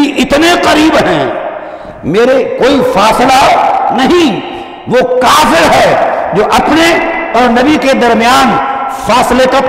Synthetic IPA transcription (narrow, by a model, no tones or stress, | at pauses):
iʔɪt̪neqɐɾiːbɦɛ̃ː | meːɾekoːifaːslanɐɦĩ | ʋokaːfɪɾɦɛːd͡ʒoːʔɐpneɔːɾnɐbiked̪ɐɾmijaːnfaːsleka